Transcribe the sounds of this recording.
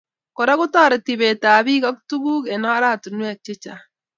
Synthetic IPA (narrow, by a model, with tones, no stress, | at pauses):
kɔ˨ɾa˦kʊ˦tɔ˦˨ɾɛ˨ti˨be˨taː˨bi˦ka˦ktu˦ɡu˦kɛ˨nɔ˦ɾa˦˨tu˨nwa˨k̚t͡ʃe˦t͡ʃa˨